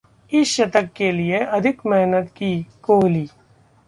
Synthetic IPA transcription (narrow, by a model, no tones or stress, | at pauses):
ɪsʃɐt̪əkːelieɐd̪ʱɪkmɛɦnət̪kikoːɦliː